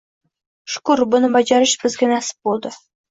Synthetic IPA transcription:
ʃʊ̥kʊɾbʊnəbɑd͡ʒɑɾəʃbɪzɡʲɪnæsɪ̥p̚bolˠd̪ə

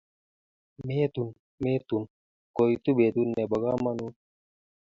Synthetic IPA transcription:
meːt̪un | meːt̪un | koit̪ubeːt̪unːebɐɡaːmɐnu

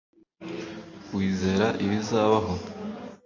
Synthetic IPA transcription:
wiːze̞ɾaʔiβizaːβaɦo̞

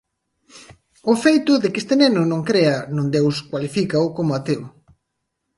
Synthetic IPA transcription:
ʊfejt̪ʊðɪkest̪enenʊnõŋkɾeɐnũnd̪ewskwalifikɐʊkomʊat̪ew

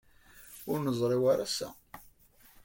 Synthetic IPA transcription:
ʊɾnəzˤɾˤɪwaɾæsæ̰

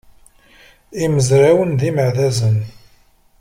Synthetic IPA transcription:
iməzɾawənðiməʕðæzən

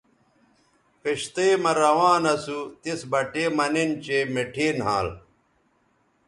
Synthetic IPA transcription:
peɕt̪eːmɐɾɐwãːnɐsut̪isbɐʈeːmɐnent͡ɕemeʈʰeːnɦã̰ːl

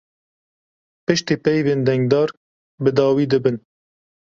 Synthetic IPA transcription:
pɨʃt̪iːpɛjveːnd̪ɛŋɡd̪ɑːɾ | bɨd̪ɑːwiːd̪ɨbɨn

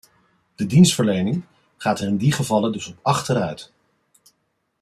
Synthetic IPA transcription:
d̥ədinstfəɹlejnɪŋ | χaːtɛrɪndiχəvɑlədɵsɔpɑχtəɾœɥt

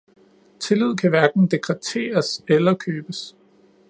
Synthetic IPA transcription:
t͡sʰe̝lið̞̰ˠkʰæʋæɐɡ̥n̩d̥e̝ɡ̥ʰʁɛt͡sʰe̝̰ːɐselɐkʰøːb̥əs

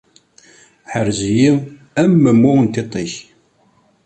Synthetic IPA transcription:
ħəɾziji | æmːəmːʊnt̪et̪ˤːiç

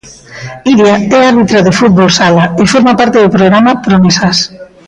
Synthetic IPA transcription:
iɾjaɛaɾβit̪ɾaðefut̪̚βolsalaefoɾmapaɾt̪eðopɾoɣɾamapɾomesas

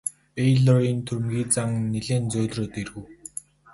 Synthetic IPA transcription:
pejɮɔɾint̪ʰɵɾʲmɡʲiːt͡saŋneɮeːnt͡sʊːɮroːt̪erɣŭw

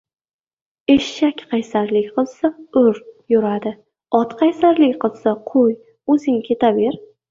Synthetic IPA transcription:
e̞ʃːakʲqʰɑjsaɾlɪkʲqʰɨlˠsaɵɾjʊɾad̪ɪ | ɒt̪qʰɑjsaɾlɪkʲqɨlˠsaqʰoj | ɵzɪŋkʲʰe̞t̪ʰabe̞ɾ

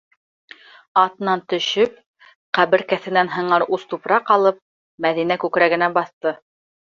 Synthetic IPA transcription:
ɑt̪ɤ̆nɑnt̪ɵ̆ʃɵp̚ | qæβɘ̆ɾkæθɘ̆nænɦɤ̆ɴɑɾust̪upɾɑqɑlˠɤp̚ | mæðinækʉkɾæɡɘ̆næbɑθt̪ɤ

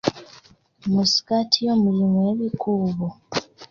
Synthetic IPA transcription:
musi̥katʰijomulimweβikʰuːβu

